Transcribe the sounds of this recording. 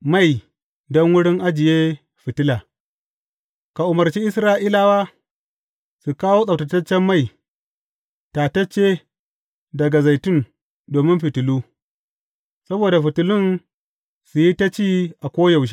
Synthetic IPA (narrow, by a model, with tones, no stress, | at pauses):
ma˦˨j | dɔ˦ŋwʊ˦ɽɪ˦ŋʔa˦d͡ʒɪ˨jeː˦ | ɸɪ˨tɪ˦laː˨ | ka˨ʔʊ˨mɐ˨ɾt͡ʃi˦ʔɪ˦sɾaː˦ʔiː˦la˨waː˦ | su˨kaː˦woː˦sʼa˨wtɐ˨tɐ˦t͡ʃːɛ˦mːa˦j | ta˨tɐ˦t͡ʃːe˦ | dɐ˨ɡa˨za˨jtʊ˦n | doː˨mɪ˦mɸɪ˨tʊ˨luː˦ | sɐ˦boː˨da˨ɸɪ˨tʊ˨lʊ˦n | su˨ji˦ta˦t͡ʃiː˦ʔa˨kʷoː˦ja˨wʃ̬i̥˦